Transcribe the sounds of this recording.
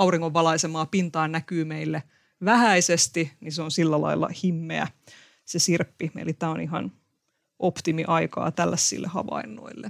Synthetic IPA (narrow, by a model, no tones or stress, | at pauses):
ɑuriŋːoʋːɑlɑisemɑːpint̪ɑːnækyːmeilːe | ʋæhæisest̪iniseonsilːælɑ̰ilːɑ̰himːḛæ̰ | sesirpːiḛlit̪æːoniɦɑ̰n | ʔopt̪imiʔɑikɑ̰ːt̪ælːæsːḭlːʔḛhɑ̰ʋɑ̰inːo̰ilːe